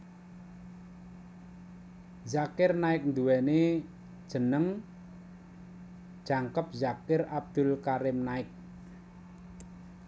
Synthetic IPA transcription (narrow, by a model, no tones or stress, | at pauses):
zakɪrnaɪk̚nd̪uwɛne | d̥ʒ̥ə̤nəŋ | ʒ̥aŋkəp̚zakɪrab̚d̪̥ʊ̤lkaɾɪmnaɪk̚